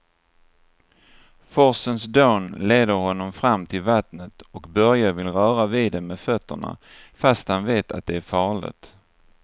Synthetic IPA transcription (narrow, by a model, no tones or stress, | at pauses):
fɔsənsd̪oːnleːd̪əɾhɔnːɔmfɾamːt̪ʰɪlvat̪nət̪ɔkbœɾjavɪlɾœːɾaviːd̪ɛmɛd̪fœt̪ʰːə̰ɳa̰ | fast̪hanveːt̪ʰa̰t̪̚d̪ɛæɾfɑːɭɪ̰t̪